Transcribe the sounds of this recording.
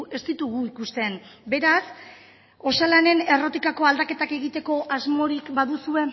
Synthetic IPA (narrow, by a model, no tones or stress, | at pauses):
e̞st̪it̪uɣuikust̪e̞nbe̞ɾas | o̞salane̞ne̞ro̞t̪ikako̞ald̪ake̞t̪ake̞ɣit̪e̞ko̞ʔazmo̞ɾikbaðusue̞